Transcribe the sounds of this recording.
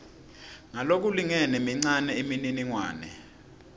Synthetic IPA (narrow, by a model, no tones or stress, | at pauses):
ŋalok̬uliŋɛnemiŋ͡ǀanɛimininiŋwa̰ːnɛ̰